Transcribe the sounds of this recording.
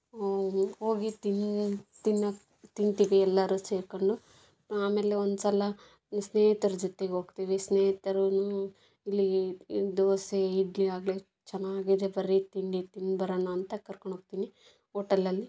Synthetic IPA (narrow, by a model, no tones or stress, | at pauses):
ho̞ːɡit̪int̪inːɐ | t̪inɡt̪iːʋiɛlːɐɾuseːɾkoɳɖu | aːmeːleond̪sɐlɐ | sneːɦt̪ɐɾud͡ʒɔt̪eɡeo̞ːɡt̪iːʋisneːɦt̪ɐɾunu | ilːid̪oːseiɖliaːɡle | t͡ʃɛnːaːɡid̪ebɐɾit̪iɳɖit̪inːbɐɾɐːnɐːnt̪ɐkɐɾkoɳɖoːɡ̚t̪iːni | oːʈɐlːɐlːi